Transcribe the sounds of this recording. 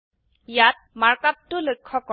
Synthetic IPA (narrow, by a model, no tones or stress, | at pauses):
jat̚maɹkap̚tːʊlojkʰːɔkɔ